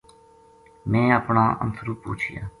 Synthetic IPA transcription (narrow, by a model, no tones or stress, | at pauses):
mɛ̃ːəpɳaːʔə̰nsɾuːpṵːt͡ʃʰɪja̰ː